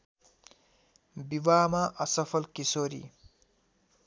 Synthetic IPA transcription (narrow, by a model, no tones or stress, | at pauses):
biwamaʔʌsʌpʰʌlkisoɾḭ